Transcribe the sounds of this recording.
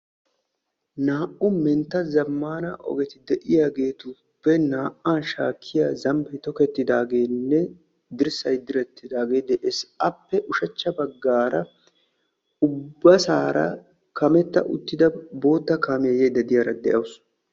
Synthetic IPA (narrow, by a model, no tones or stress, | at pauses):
naːʔʊmɛnt̪ːɐzɐmːaːnɐʔɔ̰ɡɛt̪ɪd̪ɛʔɪjaːɡe̞ːt̪ʊ | pːɛnaːʔːaːnʃa̰ːkʰːɪjazɐmpɛjt̪ɔkɛt̪ːɪd̪aːɡe̞ːnːɛ | d̪ɪɾsɐjd̪ɪɾɛt̪ːɪd̪aːɡe̞ːd̪ɛʔɛsɐpːɛʔʊʃɐt͡ʃːɐbɐɡːaːɾɐ | ʊbːɐsaːɾɐ̰ | kʰɐmɛt̪ːɐ̰ʔʊ̰t̪ːɪd̪ɐbo̞ːt̪ːɐkaːmɪjɐjed̪ːɐd̪ɪjɐɾɐd̪ɛʔɐwʊs